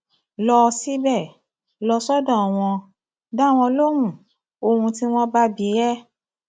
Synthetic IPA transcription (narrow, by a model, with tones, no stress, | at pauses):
lɔ˧si˦bɛ˦˨ | lɔ˧sɔ˦dɔ̃˦˨w̃ɔ̃˧ | da˦˨w̃ɔ̃˧lo˦hũ˦˨ | o˧˨hũ˧ti˦w̃ɔ̃˦ba˦bi˨˦ɾɛ˦